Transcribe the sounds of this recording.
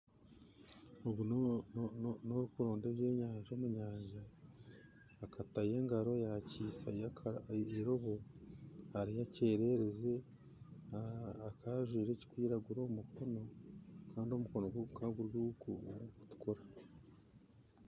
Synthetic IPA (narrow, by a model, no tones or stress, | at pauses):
oβɡu | noɾukuɾoːndeβje̞ːɲaːɲʒo̞ːmuɲaːɲʒa | kataje̞ŋɡaɾo̞jaciːsakeɾoβo | haɾijace̞ːɾe̞ɾe̞ze̞ | akaʒwiːɾe̞ːci̥kwiːɾaɡuɾoːmukʰo̞no̞kaːndio̞muko̞noɡkaɡuɾjuːkuku̥tu̥koɾa